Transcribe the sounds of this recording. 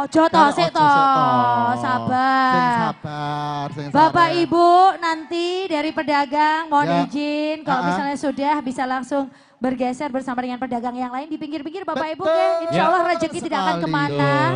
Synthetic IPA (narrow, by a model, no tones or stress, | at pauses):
ɔd͡ʒɔt̪ɔsɪt̪ɔ | saba | bapaʔibunant̪idaɾipədaɡaŋmɔned͡ʒɪnkalomisalɲasudahbisalaŋsʊŋ | bərɡɛsɛrbərsamadəŋanpədaɡaŋjaŋlaɪndipiŋɡɪrpiŋɡɪrbapaibukainisɔlahrəd͡ʒəkːit̪idaʔakankəmana